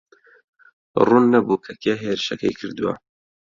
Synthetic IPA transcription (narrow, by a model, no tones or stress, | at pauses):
ruːnːɐbuːkʰɐkjeɦeːɾɨʃɐkɐ̰jkʰɨɾd̪uwɐ̰